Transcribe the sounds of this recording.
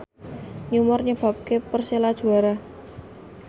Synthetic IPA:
ɲumʊrɲəb̥a̤p̚kepərselad̥ʒ̥ṳaɾa

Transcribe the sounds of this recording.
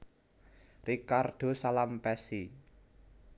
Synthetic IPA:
rikarɖ̥o̤salampɛsi

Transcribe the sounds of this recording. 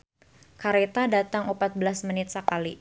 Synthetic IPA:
kaɾet̪adat̪aŋupat̪̚bəlasmənɪt̪̚səkali

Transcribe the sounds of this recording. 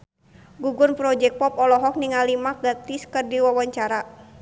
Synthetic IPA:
ɡuɡʊrnpɾɔd͡ʒɛk̚pɔpɔlɔɦɔk̚niŋalimak̚ɡat̪iskɨrdiwawaɲt͡ʃaɾa

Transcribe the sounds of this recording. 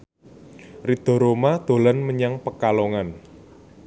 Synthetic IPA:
rid̪̥ɔ̤ɾomad̪̥o̤lanməɲaŋpəkaloŋan

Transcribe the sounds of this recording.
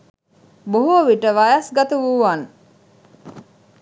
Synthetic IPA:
boɦoʋiʈəʋɐjɐsɡɐt̪uʋuʋan

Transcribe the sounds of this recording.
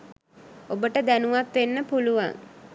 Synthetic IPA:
obəʈəd̪ænuʋat̪ʋenːəpuluʋa̰ŋ

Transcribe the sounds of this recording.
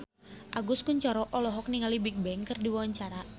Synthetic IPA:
ʔaɡʊskʊɲt͡ʃɔɾɔʔɔlɔɦɔk̚niŋalibɪk̚bɛŋkɨrdiwawaɲt͡ʃaɾa

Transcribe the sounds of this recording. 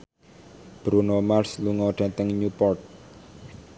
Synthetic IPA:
b̥ɾunomarsluŋɔɖ̥at̪əŋɲupɔrt̪̚

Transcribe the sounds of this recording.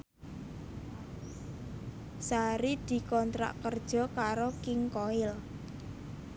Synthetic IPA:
saɾid̪̥i̤kɔnt̪ɾa̰ʔkərd̥ʒ̥ɔ̤kaɾokɪŋkɔɪl

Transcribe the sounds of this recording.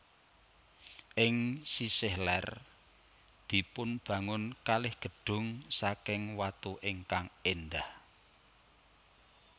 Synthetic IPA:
ʔɪŋsisɪhlɛr | d̪̥i̤pʊnb̥ä̤ŋʊnkalɪhɡ̥ə̤ɖ̥ʊ̤ŋsakɪŋwat̪uʔɪŋkaŋend̪ah

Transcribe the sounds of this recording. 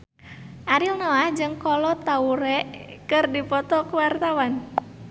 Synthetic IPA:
ʔaɾilnɔahd͡ʒɨŋkɔlɔt̪auɾɛʔkɨrdipɔt̪ɔkuwart̪awan

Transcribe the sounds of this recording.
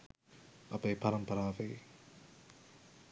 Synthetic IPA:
ɐpepɐɾɐmpɐɾaːʋej

